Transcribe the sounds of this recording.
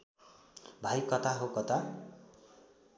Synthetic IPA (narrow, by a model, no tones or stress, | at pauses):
bʱajkʌt̪ʰaɦokʌt̪a